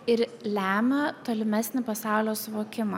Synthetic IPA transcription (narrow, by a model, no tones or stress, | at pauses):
ɪɾlʲæːmʲɛt̪oːlʲɪmʲæsʲnʲɪpɐsɑˑʊlʲoːsʊʋoːkʲɪmɐ